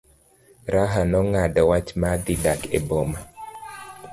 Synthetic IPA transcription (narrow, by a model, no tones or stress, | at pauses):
ɾaɦanɔŋadɔwat͡ʃmad̪idakeboma